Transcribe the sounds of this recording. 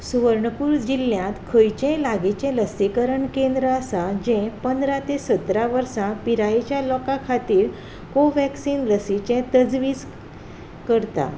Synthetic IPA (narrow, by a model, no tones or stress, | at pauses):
suʋəɾɳəpuːɾd͡ʑiljãt̪kʰəjt͡ɕẽlaɡit͡ɕẽləsikəɾəɳkẽnd̪ɾəasad͡ʑɛ̃pənd̪ɾãt̪esət̪ɾaʋəɾsãpiɾajet͡ɕjalɔkakʰat̪iːɾ | koʋɛksiːnləsit͡ɕẽt̪əd͡zʋiːd͡z | kəɾt̪a̰